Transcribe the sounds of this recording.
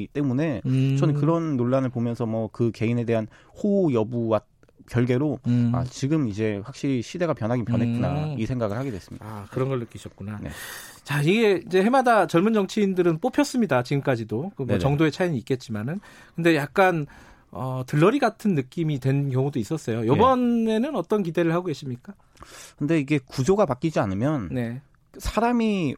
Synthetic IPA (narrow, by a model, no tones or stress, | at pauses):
t͈e̞mune̞t͡ɕʌnkɯɾʌnːoɭːanɯɭpomjʌnsʰʌmʌkɯke̞ine̞de̞ɦanhojʌbuwa | kjʌɭɡe̞ɾoa̰t͡ɕiɡɯmid͡ʑe̞ɸwak̚ɕ͈iɾiɕʰide̞ɡapjʌnɦaɡinpjʌnɦek͈una̰isʰe̞ŋɡaɡɯɭhaɡedwes͈ɯmḭakɯɾʌnɡʌɭːɯk͈iɕʰʌt̚k͈unane̞̰ | t͡ɕaiɡe̞id͡ʑe̞ɦe̞madat͡ɕʌɭmund͡ʑʌŋt͡ɕʰeindɯɾɯnp͈opʰjʌs͈ɯmɲidat͡ɕiɡɯmk͈ad͡ʑidokɯmoʌŋdoe̞t͡ɕʰaiɲiːk͈e̞t̚t͡ɕ͈imanɯn | kɯnde̞jak̚k͈an | ʌtɯɭːʌɾiɡatʰɯnːɯk͈imitwe̞nkjʌŋudois͈ʌs͈ʌjojʌbʌne̞nɯnʌt͈ʌnk̬ide̞ɾɯɭhaɡoɡeɕ͈imɲik͈a | kɯnde̞iɡe̞kud͡ʑoɡapak͈id͡ʑianɯmjʌnne̞ | sʰaɾami